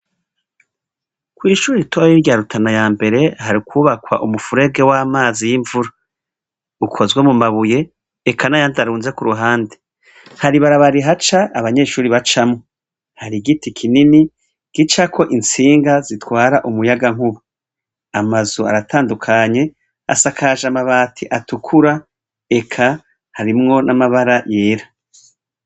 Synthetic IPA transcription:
kwiːʃuːɾiɾitʰojiɾɟaɾutʰanajaːmbe̞ɾe̞haɾikʰuːβakwa̰ʔumufuɾe̞ɡe̞waːmaːzijiɱvuɾa | ukʰo̞zɡwemumaβuje̞ː | kʰanajandaɾuːnze̞kuɾuɦaːnde | haɾiβaɾaβaɾiɦat͡ʃaaβaɲe̞ːʃuːɾiβat͡ʃamo | haɾiɡitikʰinini | ɡ̥it͡ʃakʰo̞ʔint͡siːŋɡazitwaːɾaʔumujaɡaŋ̥huβu | amazua̰ɾatʰaːndukʰaɲe̞ | a̰sakʰaʒamaβaːtʰiʔatukʰuɾa | e̞kʰa | haɾimŋo̞nʔamaβaɾajeːɾa

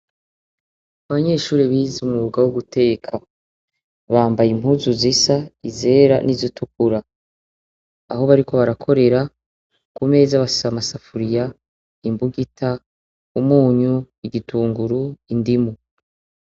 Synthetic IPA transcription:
aβaɲe̞ːʃuːɾiβizumuβuɡawuɡutʰe̞ːkʰa | βaːmbajim̥huzuzisaize̞ːɾa̰nizitukuɾa | a̰ɦo̞βaɾiko̞βaɾakʰo̞ɾe̞ɾa | kume̞ːzaβasamasafuɾija | imbuɡitʰa | umuːɲu | iɡituːŋɡuɾuindimu

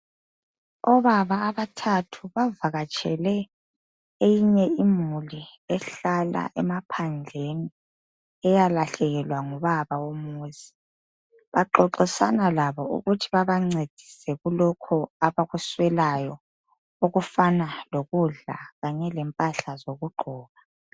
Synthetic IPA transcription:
ɔβaβaːβatʰatʰuβavaɣat͡ʃʼʰɛ̰lɛ | ejiɲɛimuliɛɬala̰ʔɛmapʰand͡ɮʱeni | ɛjalaɬɛɣɛlwaŋuβaβawomuːzi̥ | βaǃɔǃisanalaβɔṵɣutʰiβaβaŋ͡ǀed̥ʱi̥sɛɣulɔkʰɔaβaɣuswɛlajɔ | oɣufanaloɣuɮa̰ɣaɲɛlɛmpʼaɬazoɣuɡ͡ǃʱɔːɣa

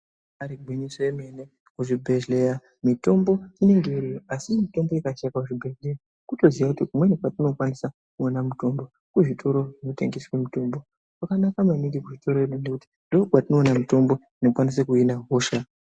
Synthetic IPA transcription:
aɾiɡʱwiɲisojeme̞ne | kuʐibʱe̞ʒleɾa | mito̞mbo̞ine̞ŋɡe̞irijoasinotemdeekat͡ʃakakuʐibʱe̞ʒlera | kuto̞ziakutikumwenekwatino̞kwanisa | kuonamuto̞mbo̞ | kuʐitʰo̞ɾo̞ʐinote̞ŋɡeswe̞muto̞mbo̞ | kakanakamaniɡikuʐito̞ɾoeɗunekuti̥ndokwatino̞ːnamuto̞mbo̞ | inokwanisekuinaɦoːʃa

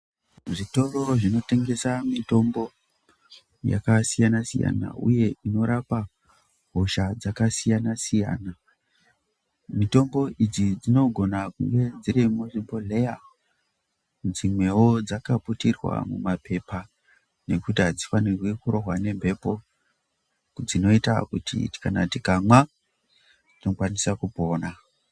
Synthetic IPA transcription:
ʐito̞rooʐino̞te̞ŋɡe̞samito̞mbo̞ | ja̰kasijanasḭja̰na̰ʔṵje̞ino̞ɾapa | ɦoʃad͡zakasijanasija̰ːna | mito̞mbo̞ʔid͡zid͡zino̞ɡʱo̞nakuŋɡe̞d͡ziɾimuʐimbole̞ja | nd͡zimwe̞wo̞d͡zakaputirwa̰mṵmape̞pa | ne̞kutiɦad͡zifanirwekuɾo̞ɦwane̞mbʱe̞po̞ | kd͡zino̞itakutḭ̥kanatikamwa | d͡zinokwanisakupo̞ːna

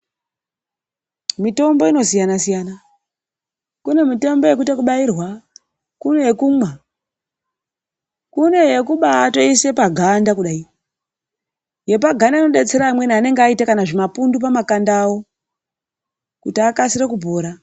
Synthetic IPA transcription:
mito̞mbo̞ino̞sijanasijana | kune̞mite̞mbo̞je̞k̬utekuɓairwa | kune̞jekumwa | kune̞jekuɓatoise̞paɡʱandakuɗai | je̞p̬aɡʱandainoɗe̞t͡se̞ɾaːmwe̞niane̞ŋɡeaitakanaʐimapundup̬amakandawo̞ | kutiakasirekubʱoːɾa

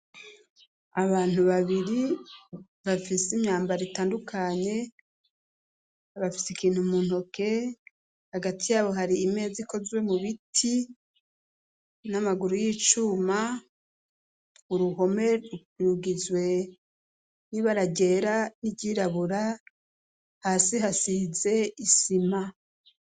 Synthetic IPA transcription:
aβaːn̥uβaβiɾi | βafisimɲaːmbaɾitaːndukʰaɲe̞ | βafi̥sikiːn̥humuːnho̞ke̞ | haɡatʰijaːβo̞ɦaɾiːme̞ːziko̞zwe̞muβitʰi | namaɡuɾujiːt͡ʃuːma | uɾuɦo̞me̞u | iɾuɡizwe̞ | niβaɾaɟe̞ːɾaniɟiːɾaβuɾa | haːsiɦasize̞isima

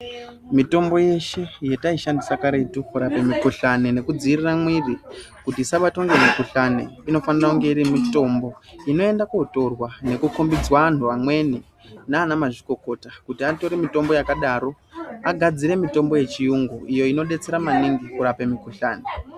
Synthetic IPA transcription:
mito̞mbo̞je̞ʃe̞je̞taiʃandisakaɾe̞tukuɾape̞mikuɬanene̞kud͡ziiriramwiri | kutisaɓatoŋɡemikuɬanḛino̞fanirauŋɡe̞iɾimito̞mbo̞ino̞e̞ndakuto̞rwane̞kukumbid͡zwaan̤uamwe̞ni | naːnamaʐiko̞ko̞takutiato̞ɾemito̞mbo̞jakaɗaɾo̞ | aɡʱad͡ziɾe̞mito̞mbo̞je̞t͡ʃijuŋɡuʔijo̞ino̞ɗe̞t͡se̞ɾamaniŋɡikuɾape̞mikuɬaːne

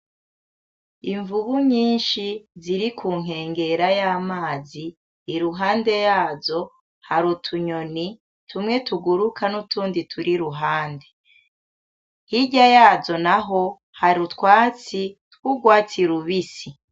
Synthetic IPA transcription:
iɱvuβuɲiːnʃiziɾikʰuːŋ̥e̞ːŋɡe̞ɾajaːmaːziː | ɾuɦaːnde̞jaːzo̞ | haɾutʰuɲoni | tumŋe̞tuɡuɾukʰanutuːnditʰuɾiɾuɦaːnde̞ | hiɟajaːzo̞naɦo̞ | haɾutkwaːt͡sitkwuɡwaːtiɾuβisi

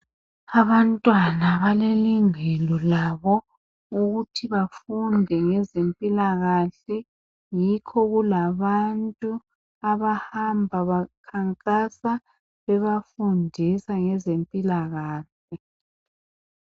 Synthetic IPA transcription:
aβantʼwanaβaleliŋɛlɔlaβɔ | uɣutʰiβafundʱɛŋɛzempʼilaɣaɬɛ | jikʰɔɣulaβantʼu | aβahambʱaβakʰaŋkʼasa | βɛβafundʱisaŋɛzempʼilaɣaːɬ | ɛ

